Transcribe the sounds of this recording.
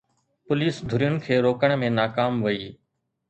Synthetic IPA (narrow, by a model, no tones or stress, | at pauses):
pʊliːsd̪ʱʊɾijʊn̆kʰeːɾoːkəɽ̃mẽnaːkaːmʋəiː